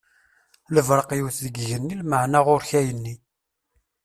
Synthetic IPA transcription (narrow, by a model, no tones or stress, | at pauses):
ləvɾˤəqjwθðəɡʝənːilməʕnaʁʊɾçæjənːi